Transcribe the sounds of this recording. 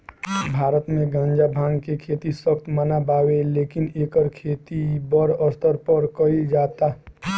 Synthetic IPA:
bʱaːɾət̪mẽɡãːɲd͡ʒabʱãːŋɡkekʰeːt̪iswəkt̪manabaːweleːkɪneːkəɾkʰeːt̪ibəɾəst̪əɾpəɾkəid͡ʒaːt̪aː

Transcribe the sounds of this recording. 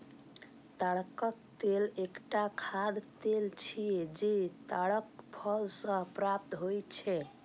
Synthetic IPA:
t̪aɽkəkt̪elekʈakʰad̪t̪elt͡ʃʰijed͡ʒet̪aɽəkpʰɔlsə̃pɾap̚t̪ɦojt͡ʃʰɛ

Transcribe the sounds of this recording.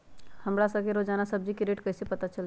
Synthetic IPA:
həmɾasəkeɾod͡ʒaːnasəb̚d͡ʒikeɾeːʈkəɦsepət̪at͡ʃəl

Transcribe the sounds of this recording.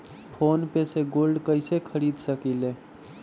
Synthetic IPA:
pʰoːnpeseɡoːlɖkəɪsekʰəɾiːd̪səkileː

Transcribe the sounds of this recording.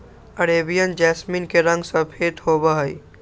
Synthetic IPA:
əɾeːbijənd͡ʒɛːsminkeɾə̃ŋɡsə̃pʰeːt̪hoːbaɦəi

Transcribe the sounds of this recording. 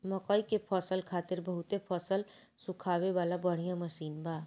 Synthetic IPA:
məkəjkepʰəsəlkʰat̪iɾbəɦut̪epʰəsəl | sũkʰaβeβalabəɽ̤ijãməsinba

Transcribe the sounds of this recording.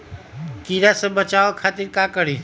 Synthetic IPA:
kiːɾasẽbət͡ʃaːʋokʰaːt̪ɪɾkaːkəɽiː

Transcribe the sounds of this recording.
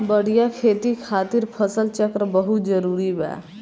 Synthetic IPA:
bəɽ̤ijakʰeːt̪ikʰaːt̪iɾpʰəsəlt͡ʃəkɾəbəɦut̪d͡ʒəɾuːɾibɛ̰

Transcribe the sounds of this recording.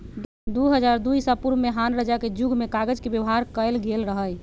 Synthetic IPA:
d̪uɦəd͡ʒaɾd̪ujsapuɾmeɦanɾəd͡ʒaked͡ʒuɡʱmekaɡəd͡ʒkebjəʋɦaɾkəelɡelɾəɦəj

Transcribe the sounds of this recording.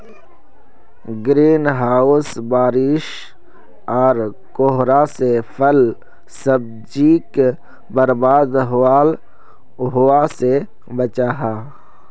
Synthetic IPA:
ɡɾiːnɦaːʊsbaːɾɪʃ | ɔːɾ | koɦɾasepʰəl | səb̚d͡ʒiːk | bəɾbaːd̪ɦaːl | ɦʊase | bət͡ʃaːɦaː

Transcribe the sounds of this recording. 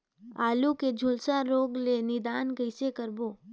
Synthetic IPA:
aːluked͡ʒʱʊlsaɾoːɡlenɪd̪aːnkəɪsekəɾboː

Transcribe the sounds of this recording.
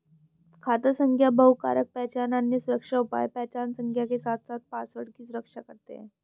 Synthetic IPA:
kʰat̪əsəŋkʰjabəɦka̰ɾək̚pɛt͡ɕananjəsuɾəkʂaupa̰jpɛt͡ɕansəŋkʰjakesat̪sat̪̚pasʋəɽkiːsuɾəkʂakəɾt̪ḛ

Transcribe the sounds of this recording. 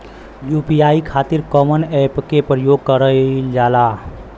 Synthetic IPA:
juːpiaːikʰaːt̪ɪɾkɔmənɛpkepɾəjoːɡ̚kəɾəd͡ʒaːla

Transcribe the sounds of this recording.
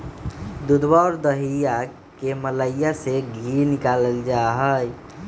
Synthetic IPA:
d̪ud̪baɾd̪əɦija | kemələjjaseɡʱiɾnikaləld͡ʒaɦəj

